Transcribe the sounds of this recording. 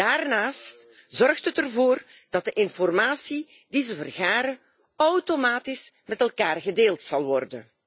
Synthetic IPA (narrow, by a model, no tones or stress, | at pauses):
daːrnaːst | zɔrxtɦətərvoːr | d̥ɑt̚dəʔɪnfɔrmaːsi | d̥izəvərɣaːɾə | ɔwtomaːtɪsmɛtɛlˠkaːrɣədeːlˠtsɑlˠʋɔrdən